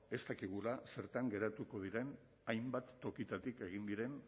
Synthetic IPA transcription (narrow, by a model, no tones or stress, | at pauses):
e̞st̪akiɣulase̞ɾt̪aŋɡe̞ɾat̪uko̞ð̞iɾe̞n | ajmbat̪ːo̞kit̪at̪ike̞ɣ̞ind̪iɾe̞n